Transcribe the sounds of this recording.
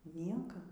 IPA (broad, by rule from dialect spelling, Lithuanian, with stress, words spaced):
ˈnʲiɛkɐ